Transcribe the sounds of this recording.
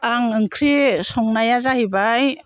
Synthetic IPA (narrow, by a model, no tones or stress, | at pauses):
aŋɯŋkʰɾisɔŋnajazahibaj